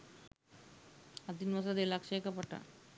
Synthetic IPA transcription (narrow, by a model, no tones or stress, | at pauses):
ɐd̪inʋɐsɐd̪elakʂeːkɐpɐʈa̰